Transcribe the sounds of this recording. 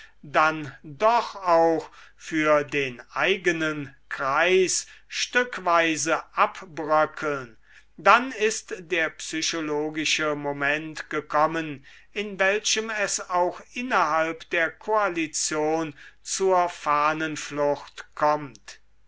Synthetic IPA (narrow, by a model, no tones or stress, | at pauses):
dandɔχaʊxfyːɐdeːnʔaɪɡənənkʁ̥aɪsʃtʏkvaɪzəʔapbʁœkʰl̩n | danɪstdeːɐpsyɕoloːɡɪʃəmomɛntɡ̥əkʰɔmən | ɪnvɛlʃəmɛsaʊxʔɪnɐɦalpd̥eːɐkʰoalit͡sjoːnt͡suɐfaːnənflʊxtkʰɔmt